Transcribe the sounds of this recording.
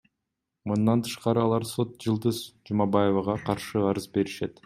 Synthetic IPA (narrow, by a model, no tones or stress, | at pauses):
mund̪ɑnt̪ʰɯ̥ʃqɑɾɯɑlˠɑɾso̞t̪̚d͡ʒɯlˠd̪ɯzd͡ʒumɑbɑjevɑʁɑqʰɑɾʃɯɑɾɯzbe̞ɾiʃe̞t̪